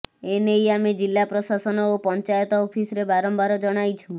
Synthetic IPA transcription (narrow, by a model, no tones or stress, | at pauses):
enejamed͡ʒilːapɾɔsasɔnɔopɔnt͡ʃajɔt̪ɔːpʰisɔɾebaɾɔmbaɾɔd͡ʒɔɽ̃ajt͡ʃʰu